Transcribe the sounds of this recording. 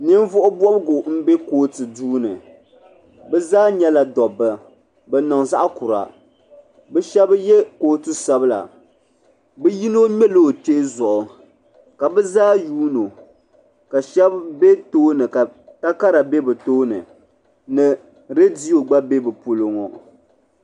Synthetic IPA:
nɨ˦m˦vʊ˦ʔʊ˦bɔ˦bɡʊ˨m̩˦be˦koː˨˦tɨ˨duː˦nɨ˨ | bɛ˦zaː˦ɲɛ˦la˨dɔ˨bɨ˨ | bɛ˨nɔ˨ŋza˦ʔa˦ku˨ɾa̰˨ | bɛ˦ʃɛ˦bjɛ˦koː˦tɨ˦sa˦bɨ˦la̰˨ | bɛ˦ji˦no˦ɲɛ˦lo˦˨t͡ʃe˦zɔ˨ʔʊ˨ | ka˨bɛ˦zaː˦juː˦no˨ | ka˨ʃɛ˦bbe˦toː˦nɨ˨ka˨ta˦ka˦ɾa˨be˦bɨ˨toː˦nɨ̰˨ | nɨ˨ | ɾe˦di˦o˨ɡ͡ba˦be˦bɨ˨po˨lo˨ŋɔ˨

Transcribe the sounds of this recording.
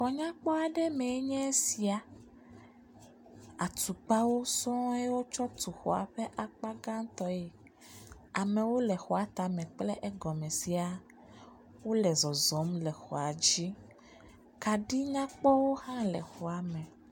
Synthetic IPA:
xɔ˨ɲã˦k͡pɔ˦a˨ɖɛ˦mẽ˨e˦ɲɛ̃˦si˨a˨ | a˨t̪u˨k͡pa˦wo˦sɔ̃˦e˦wo˦t͡ʃɔ˦t̪u˨xɔ̰˨a̰˨ɸɛ˦ʔa˨k͡pa˦ɡã˦ŋ˦t̪ɔ˦je˨ | a˨mɛ̃˨wo˦lɛ˨xɔ˨a˨˦t̪a˨mɛ̃˨k͡plɛ˦ʔɛ˦ɡɔ˨mɛ̃˨si˨a˨ | wo˦lɛ˨zɔ˨zɔ˨˦mlɛ˨xɔ˨a˨d͡ʑi˦ | ka˨ɖi˦ɲã˦k͡pɔ˦wo˦hã˦lɛ˨xɔ˨a˨mɛ̃˨

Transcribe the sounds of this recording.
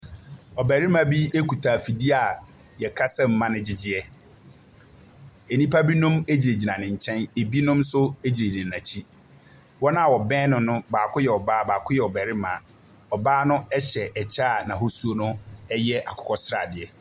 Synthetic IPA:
ɔ˨bæ˨ɾɪ˦mã˨bi˦e˦kʰu˨tʰa˨fi˨di˦a˨ | jɛ˨kʰa˦sɛ̃˦m̩˨mã˦nɪ̃˦d͡ʑɪ˦d͡ʑɪ˨ɛ˦ | e˨nĩ˦pʰa˦bi˦nʊ̃˦me˦d͡ʑi˨e˨d͡ʑi˨nã˨nɪ̃˨ɲ̩˨t͡ɕʰɛ̃˦ne˨bi˦nʊ̃˦msʊ˦e˦d͡ʑi˨ɾe˨di˨nã˨t͡ɕʰi˦ | wɔ˦nã˦a˨wɔ˨bɛ̃ː˦nʊ̃˨nʊ̃˦baː˨kʰʊ˦jɛ˨ɔ˨baː˦baː˨kʰʊ˦jɛ˨ɔ˨bɛ˨ɾɪ˦mã̰˨ | ɔ˨baː˦nʊ̃˦ɛ˦ɕɛ˨ʔɛ˨t͡ɕʰaː˦˨nã˨ɦo˦su˦o˦nʊ̃˦ɛ˦jɛ˦ʔa˨kʰʊ̥˦kʰɔ˦sɾa̰˨dɪ˨ɛ˦

